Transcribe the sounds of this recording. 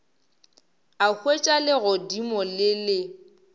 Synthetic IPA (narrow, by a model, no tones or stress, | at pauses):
ahʰwet͡ʃʼalɪɣɔdimɔlɪlɪ